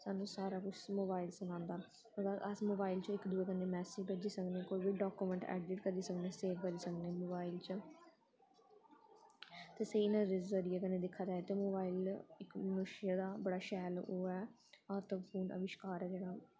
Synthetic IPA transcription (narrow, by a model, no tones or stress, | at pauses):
saːnũːsaːɾaːkʊt͡ʃʰmoːbaːilsʊnãːnd̪aː | əɾaʔəsmoːbaːɪlt͡ʃõːɪkd̪uːeːkəneːmɛːsipəd͡ʒiːsəkneːkoːiːbiːɖaːkuːmə̃ɳʈɛ̰ːɖɪʈkəɾiːsəkneːseːʋkəɾiːsəkneːmoːbaːɪlt͡ʃə | t̪eːseinãːɾɪzəɾiːɛːkəneːd̪ɪkʰːaːd͡ʒaːet̪eːmoːbaːiːlɪkmənʊʃɪjad̪aːbəɽaːʃɛːloːɛː | ɔːɾt̪əpʰuːnə̰ʋɪʃkaːɾɛːd͡ʒeːɽaː